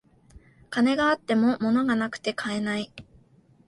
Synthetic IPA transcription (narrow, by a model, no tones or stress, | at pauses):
kane̞ɡaːt̪ːe̞mo̞mo̞no̞ɡanakɯ̟̥t̪e̞kʰae̞nai